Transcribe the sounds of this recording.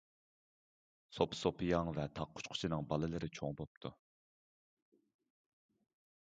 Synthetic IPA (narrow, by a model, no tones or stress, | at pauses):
sopsopʰijɑŋvɛt̪ʰɑqʰːʊ̥t͡ʃqʰʊ̥t͡ʃʰinɨŋbɑlˠɨlɨɾɪt͡ʃʰoŋbop̚t̪ʰu